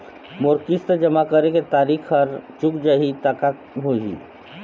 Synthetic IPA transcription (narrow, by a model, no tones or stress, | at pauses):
mʊɾkɪst̪d͡ʒəmakəɾeket̪aːɾikʰəɾt͡ʃʊkd͡ʒaɦit̪aka | ɦoɦḭ